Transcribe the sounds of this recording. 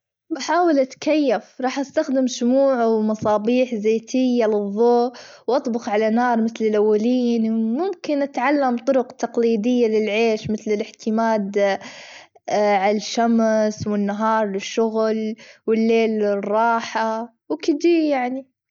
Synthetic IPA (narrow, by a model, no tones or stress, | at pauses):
baħaːwalʔat̪kajːafɾˤɑːħʔast̪axd̪ɪmʃʊmuːʕawmɑsˤɑːbiːħzeːt̪ʰɪjːalɨðˤːoːwʔɑt̪ˤbʊxʕalanɑːɾˤmɪθlɪlʔawːaliːnmʊmkɪnʔat̪ʕalːamt̪ˤʊɾʊqt̪ɑqliːd̪ɪjːalɪlʕeːʃmɪθlɪlɪħt̪ʰɪmaːd̪ | ʕalaʃːamswɪnːaɦɑːɾˤlɪʃːʊɣlwɪlːeːlɪrˤːɑːħa | wkɪd̪iːjaʕni